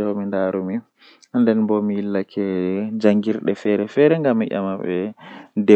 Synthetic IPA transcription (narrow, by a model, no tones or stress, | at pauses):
awmindaɾumi | andɛnbɔmijilːakʰɛd͡ʒaŋɡiɾɗɛfɛɾɛfɛɾɛŋɡamːiʔʲa̰maɓɛdɛ